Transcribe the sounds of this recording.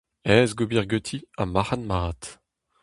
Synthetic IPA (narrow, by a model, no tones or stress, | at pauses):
ɛːzɡubiʁɡøt̪ʰiamaχanmaːt̪